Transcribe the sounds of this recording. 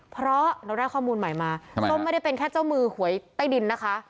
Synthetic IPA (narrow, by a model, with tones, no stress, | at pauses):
pʰɾɔ˦˥na˧˥wdaː˥˩jkʰɔː˥˩muː˧nma˨˩jmaː˧ɔ˥˩ŋm˥˩jda˥˩jpe˧nkʰɛː˥˩t͡ɕa˥˩wmɯː˧hu˨˩˦əjt̪aː˥˩jdi˧nːa˦˥kʰa˦˥ʔ